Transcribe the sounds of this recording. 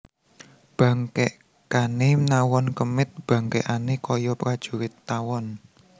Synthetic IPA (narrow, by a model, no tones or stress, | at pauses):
b̥ä̤ŋkeʔ | kanenawɔnkəmɪt̪̚b̥ä̤ŋkeʔanekɔjɔpɾad̥ʒ̥ṳɾɪt̪ːawɔn